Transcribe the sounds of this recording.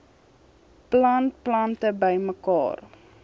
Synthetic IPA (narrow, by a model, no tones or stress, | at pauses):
plɐnt̚plɐntəbəjməkɑ̰ːr